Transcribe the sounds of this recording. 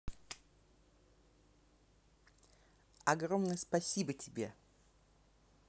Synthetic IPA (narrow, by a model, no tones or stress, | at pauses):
ɐɡɾomnəjəspɐsʲibətʲɪbʲe̞